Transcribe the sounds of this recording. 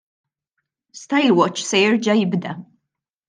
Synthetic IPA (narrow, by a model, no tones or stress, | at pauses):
st̪ɐjlwɔt͡ʃːsɛjɪɾd͡ʒɐjɪbd̪ɐ